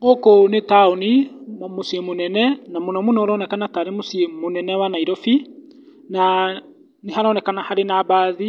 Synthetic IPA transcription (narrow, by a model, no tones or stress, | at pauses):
mokonetaonimosiemonɛnɛnamonɔmonɔɾɔːnɛkanataːɾemosiemonɛnɛwanaiɾɔfi | na | neɦaɾɔnɛkanahaɾenabaːði